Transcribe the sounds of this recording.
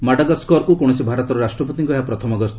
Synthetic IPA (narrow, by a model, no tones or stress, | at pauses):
maʈaɡɔskɔɾkukɔɽ̃ɔsibʱaɾɔt̪ɔɾɔɾasʈɾɔpɔt̪iŋkɔɦeapɾɔt̪ʰɔmɔɡɔst̪